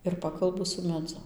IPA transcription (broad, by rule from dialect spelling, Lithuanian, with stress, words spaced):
ɪr ˈpɑːkɐlˠbʊ sʊ mʲɛˈd͡zʊ